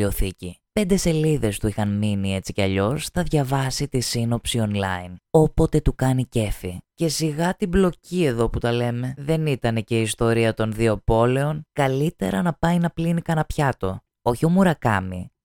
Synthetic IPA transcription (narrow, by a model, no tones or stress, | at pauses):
o̞θicipe̞nd̪e̞se̞liðe̞st̪uixɐnminie̞t͡siceɐʎo̞sθɐðʝɐvɐsit̪isino̞psio̞nlɐ̰ino̞po̞t̪e̞t̪ukɐnice̞fice̞siɣɐt̪iblo̞cie̞ðo̞put̪ɐle̞me̞ðe̞nit̪ɐne̞ce̞iːst̪o̞ɾiɐt̪o̞nðio̞po̞le̞o̞nkɐlit̪e̞̰ɾɐnɐpɐjnɐplinikɐnɐpçɐt̪o̞ | o̞çio̞muɾɐkɐ̰mḭ